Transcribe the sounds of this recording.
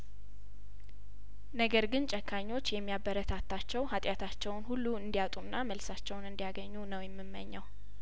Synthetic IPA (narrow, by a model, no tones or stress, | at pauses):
nəɡəɾɡɨnt͡ʃʼɛkʰːaɲːo̞t͡ʃːjɛmːijabəɾət̪ʰat̪ʰːat͡ʃːɛwhat̪ʼjat̪ʰat͡ʃːɛwnhulːuɨnd̪ijat̪ʼunːaməlsat͡ʃːɛwnɨnd̪ijaɡəɲːunəwjɛmːɨmːə̰ɲːaw